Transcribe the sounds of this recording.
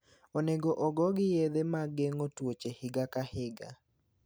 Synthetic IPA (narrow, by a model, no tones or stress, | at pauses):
oneɡoʔɔɡɔɡɪjed̪emaɡeŋotwot͡ʃehɪɡakahɪɡa̰